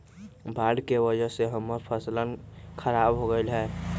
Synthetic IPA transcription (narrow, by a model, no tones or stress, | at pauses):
bʱaɽkewəd͡ʒəseɦəmːəɾpʰəslənkʰəɾabɦoɡəlɦɛ